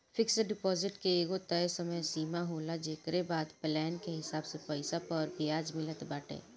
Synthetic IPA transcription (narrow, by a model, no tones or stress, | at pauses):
fɪkseɖɪpɔːzɪʈkeeːɡot̪əesɐməjsiːmaɦoːlad͡ʒeːkɾebaːd̪plɛːnkeɦɪsaːbsepɛɪsapɔɾbijaːd͡ʒmɪlət̪baːʈḛː